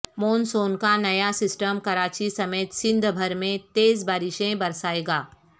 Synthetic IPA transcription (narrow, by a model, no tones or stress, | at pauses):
moːnsoːnkanɐjasɪsʈəmkɐɾaːt͡ʃisɐmeːt̪sɪ̃nd̪ʱbʱɐɾmẽt̪eːzbaːɾɪʃẽbɐɾsaːeːɡaː